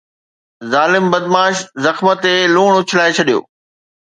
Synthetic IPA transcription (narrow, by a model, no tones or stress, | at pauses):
zaːlɪmbɐd̪maːʃzɐxmət̪eluːɳ̃ʊt͡ɕʰɪlaːet͡ɕʰɐɗijo̰ː